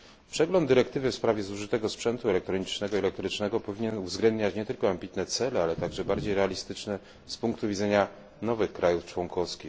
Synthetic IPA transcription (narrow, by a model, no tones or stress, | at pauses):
pʂɛɡlɔnd̪ːɘɾɛkt̪ɘvɘfspɾavʲjɛzuʐɘt̪ɛɡɔspʂɛnt̪uɛlɛk̚t̪ɾɔɲit͡ʂnɛɡɔiɛlɛk̚t̪ɾɘt͡ʂnɛɡɔpɔvʲiɲɛnuvzɡlɛnd̪ɲat͡ɕɲɛt̪ɘlkɔambʲit̪nɛt̪sɛlɛalɛt̪aɡʐɛbaɾd͡ʑejɾɛalʲist̪ɘt͡ʂnɛ | spuŋkt̪uvʲid̪zɛɲa | nɔvɘxkɾajuft͡ʂwɔŋkɔfskʲix